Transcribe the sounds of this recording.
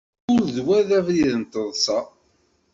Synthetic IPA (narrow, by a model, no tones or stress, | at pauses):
ʊɾðwæðævɾiðənt̪əðˤsɑ